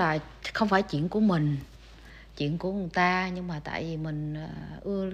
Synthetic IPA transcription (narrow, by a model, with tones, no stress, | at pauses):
laː˨˩ | xə˧wŋ͡mfaː˧˩jt͡ɕḭ˧˨ənku˧˩əmï˨˩ŋ̟ | t͡ɕḭ˧˨ənku˧˩əu˨˩t̪aː˧ɲɨ˧ŋmaː˨˩t̪a̰ː˧˨jvi˨˩mï˨˩ŋ̟ː˨˩ʔɨ˧ə